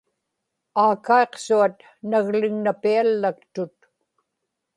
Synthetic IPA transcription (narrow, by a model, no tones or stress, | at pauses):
aːkae̞qsuat̪̚ | naɣlɪŋnapialːak̚t̪ʊt̪̚